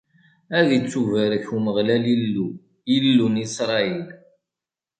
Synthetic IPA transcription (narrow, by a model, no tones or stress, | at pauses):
æðit͡sːuvəɾəçuməʁlælilːu | ilːunisɾˤɑil